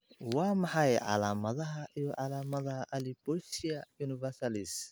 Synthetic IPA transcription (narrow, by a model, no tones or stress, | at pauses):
wɑːmɑħɑjʕɑ̰laːmɐðɐɦɐʔijɔʕɑlaːmɐðɐhɐʔɐlibɔsijɐjuːnɪvɛsɐlɪs